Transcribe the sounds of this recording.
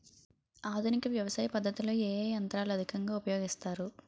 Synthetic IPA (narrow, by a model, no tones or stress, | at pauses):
aːd̪ʱunikɐʋjɐʋɐsaːjɐpɐd̪ʱːɐt̪ilo̞ːeːɐnt̪ɾaːluɐd̪ʱikɐŋɡaːupɐjo̞ːɡist̪aːɾu